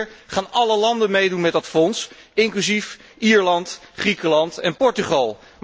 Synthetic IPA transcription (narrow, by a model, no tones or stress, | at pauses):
ɹχaːnɑləlɑndənmejdunmɛdɑtfɔns | ɪŋklyzif | iːɹlɑntχrikəlɑntɛnpɔɹtyχɑlˠ | m